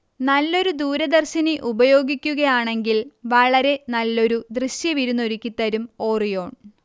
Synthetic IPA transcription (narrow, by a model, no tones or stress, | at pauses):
nɐlːo̞ɾud̪uːɾɐd̪ɐrɕɐniʔubɐjo̞ːɡikʲːuɣɐjaːɳe̞ŋɡilʋɐɭɐɾe̞nɐlːo̞ɾud̪rɨɕjɐʋiɾunːo̞ɾikʲːit̪ːɐɾumo̞ːrijo̞ːɳ